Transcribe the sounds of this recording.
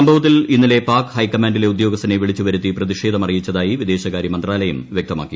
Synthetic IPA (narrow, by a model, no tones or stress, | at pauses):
ɐmbʱɐʋɐt̪̬ːillinːile̞paːrkhɐjkːɐmaːnɖile̞ud̪jo̞ːɡɐst̪ːɐneʋiɭit͡ɕːuʋɐɾut̪ːiprɐðiʂe̞ːd̪ʱɐmɐrijit͡ɕːɐðaːjiʋid̪e̞ːɕɐkaːɾjɐmɐnd̪raːlɐjɐmʋjek̚t̪ɐma̰ːkːi